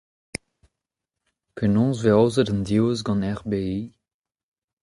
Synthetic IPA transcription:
pʰenɔ̃ːzveɔwzədɑ̃nd̪iwzɡɑ̃nɛʁbei

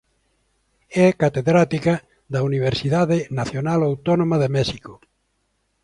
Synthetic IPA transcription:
ɛkat̪eðɾat̪ikɐ | d̪ɐuniβ̞eɾsiðaðɪnaθjonalawt̪ɔnõmɐðemɛʃiko

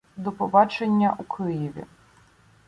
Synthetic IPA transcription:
d̪ɔpɔbɑt͡ʃenʲːɐʔukʰɪjiʋʲḭ

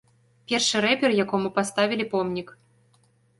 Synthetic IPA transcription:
pʲerʂɨrepʲerjakomɨpast̪ɑvʲilʲipomnʲik

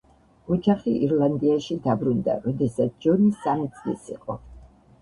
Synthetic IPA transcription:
ɔd͡ʒaχiʔiɾlˠand̪iaʃid̪abɾund̪a̰ɾɔd̪ɛsat̪sʰd͡ʒɔnisamit̪sʼlḭsḭqʼɔ

